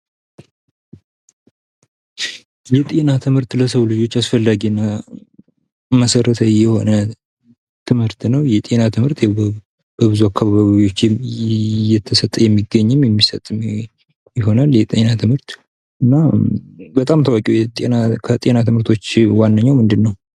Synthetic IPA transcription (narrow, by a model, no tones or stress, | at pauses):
jɛt̪ʼe̞nat̪ʰɨmhɨɾt̪ləsəβlɨd͡ʒo̞t͡ʃːasfəlːaɡinːa | məsəɾət̪ʰəjɛho̞̰nə | t̪ʰɨmhɨɾt̪nəwjɛt̪ʼe̞nat̪ʰɨmhɨɾt̪jɛ | b̥əβɨzuakːaβaβaβiiwo̞t͡ʃː | jɛt̪ʰːəsət̪ʼːəjɛmːiɡːəɲːɪmjɛmːisət̪ʼːɨm | jɪɦo̞naljɛt̪ʼe̞nat̪ʰɨmhɨɾt̪ | ʔɨnːa | bət̪ʼamt̪ʰəwakʼɛwjɛt̪ʼenakʰət̪ʼe̞nat̪ʰɨmɨɾt̪ʰo̞t͡ʃːwanːəɲːawmɨnd̪ɨnːəw